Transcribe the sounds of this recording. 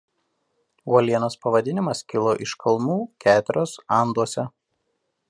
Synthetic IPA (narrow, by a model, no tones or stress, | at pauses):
uɔlʲiɛnospɐʋɐd̪ʲɪnʲɪmɐskʲɪlˠoːʔɪʃkɐlˠmuːkʲæːt̪ʲʊɾʲoːsɐˑnd̪uɔsʲɛ